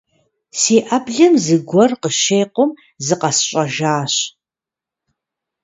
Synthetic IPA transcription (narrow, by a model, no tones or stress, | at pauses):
siːʔɐbɮɨmzɨɡʷɔrqəʃeːjqʷʊm | zɨqɐsɕʷʼɐʒaːɕ